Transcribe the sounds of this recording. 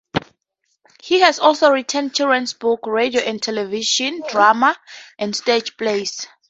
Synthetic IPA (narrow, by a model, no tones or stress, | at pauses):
hihɛsɔlsoɹitʰɛ̃nd̚t͡ʃʰidɹɛ̃nsbukɹedioʔɛ̃ndtʰɛlɛviʃɔ̃ndɹamaʔɛ̃ndsted͡ʒpʰles